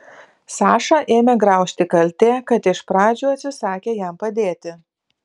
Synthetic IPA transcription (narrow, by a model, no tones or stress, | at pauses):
sɑːʃɑʔeːmʲɛɡɾɑˑʊʃʲt̪ʲɪkɐlʲt̪ʲeːkɐt̪ɪʃpɾɑːd͡ʒʲuːɐt̪ʲsʲɪsɑːkʲeːjæmpɐd̪ʲeːt̪ʲɪ